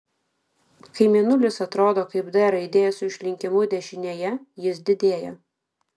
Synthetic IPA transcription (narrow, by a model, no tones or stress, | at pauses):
kɐɪmʲɛnʊlʲɪsɐt̪ɾoːd̪oːkɐɪbd̪ɛɾɐɪd̪ʲeːjɛsʊɪʃʲlʲɪŋʲkʲɪmʊd̪ʲɛʃʲɪnʲeːjɛjɪsd̪ʲɪd̪ʲeːjɛ